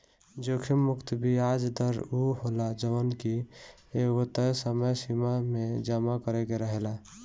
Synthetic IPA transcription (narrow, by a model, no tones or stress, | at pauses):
d͡ʒokʰimːukt̪biad͡ʒd̪əɾuɦolad͡ʒəənki | eɡot̪əsəməjsimamed͡ʒamakəɾekeɾəɦela